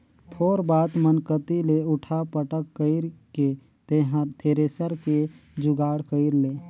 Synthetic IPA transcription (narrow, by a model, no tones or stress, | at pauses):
t̪ʰoːɾbaːt̪mənkət̪ileʊʈʰapəʈəkːəɪɾke | t̪eɦt̪ʰeːɾeːsəɾked͡ʒʊɡaːɽkəɪɾleː